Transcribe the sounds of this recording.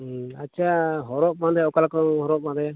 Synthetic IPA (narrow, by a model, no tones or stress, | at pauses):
att͡ʃʰaɦɔɾɔʔ̚mãd̪ɛjɔkalakɔɦɔɾɔʔ̚mãd̪ɛja